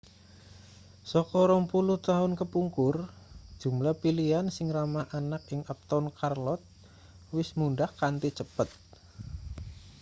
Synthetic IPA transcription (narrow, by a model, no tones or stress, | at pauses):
sɔkɔɾɔŋpulʊht̪aʊnkəpuŋkʊr | d̥ʒ̥ṳmlapiliansɪŋramaʔanak̚ɪŋap̚t̪ɔnkarlɔt̪̚ | wɪsmunɖahkant̪it͡ʃəpət̪̚